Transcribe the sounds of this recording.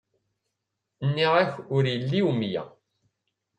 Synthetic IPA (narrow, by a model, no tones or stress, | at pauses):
nːiʁæçʊɾjəlːiwmjæ̰